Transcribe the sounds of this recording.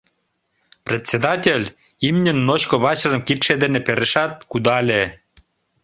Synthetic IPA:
prʲet̪ʲsʲed̪ɑtʲelʲ | imnʲənːot͡ɕkoβɑt͡ɕərə̆mkit̪ʃed̪enepeɾeʃɑt̪̚kud̪ɑlʲe

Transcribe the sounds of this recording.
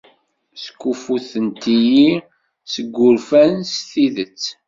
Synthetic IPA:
sə̥kːufuθənt̪iji | səɡːʊɾfænsθiðət͡sː

